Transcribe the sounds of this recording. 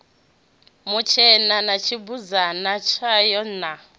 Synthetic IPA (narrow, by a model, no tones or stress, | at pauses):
mut͡ʃʰɛnanat͡ʃʰibud͡zanat͡ʃʰajɔn̩na